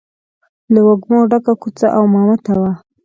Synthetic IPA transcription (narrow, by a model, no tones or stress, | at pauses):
lawoɡmoɖakakut͡sa̰ʔawmɑmat̪awa